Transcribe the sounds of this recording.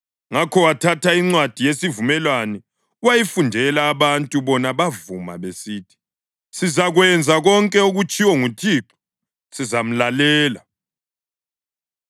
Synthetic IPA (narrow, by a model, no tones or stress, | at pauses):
ŋakʰɔwatʰatʰaiŋ͡ǀwad̥ʱijesivumɛlwanɛ | uwajifundʱɛlaːβantʼuβɔnaβavuma̰βesiːtʰi̥ | sizaɣwɛnd͡zʱaɣɔŋkʼɛuɣut͡ʃʼiwɔŋutʰiːǁɔ̥ | sizam̩lalɛːla